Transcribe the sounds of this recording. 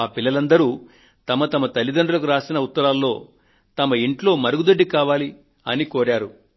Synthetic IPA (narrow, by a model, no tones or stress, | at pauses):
aːpilːɐlɐnd̪ɐɾuː | t̪ɐmɐt̪ɐmɐt̪ɐlːid̪ɐɳɖulɐkuɾaːsinɐut̪ːɐɾaːlːo̞ː | t̪ɐmɐiɳʈlo̞ːmɐɾuɡud̪ɐɖːikaːʋaːli | ɐnikoːɾaːɾu